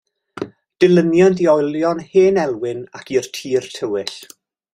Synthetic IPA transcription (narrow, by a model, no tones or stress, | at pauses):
d̥ɪlənjɔndiɔjljɔnheːnɛlˠwɪnakʰirtʰiːrtʰəwɪɬ